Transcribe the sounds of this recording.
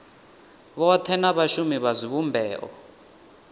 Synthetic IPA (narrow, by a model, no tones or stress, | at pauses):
βɔtʰɛnaβaʃumiβazʷiβumbʱɛːʔɔ̰